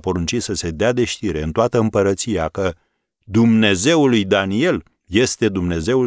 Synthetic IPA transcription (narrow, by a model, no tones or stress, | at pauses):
po̞ɾunt͡ʃit̪səse̞d̪ead̪e̞ʃt̪iɾe̞ɨnt̪oat̪əɨmpəɾət̪sijakə | d̪umne̞ze̞ulujd̪anie̞l | je̞st̪e̞d̪umne̞ze̞u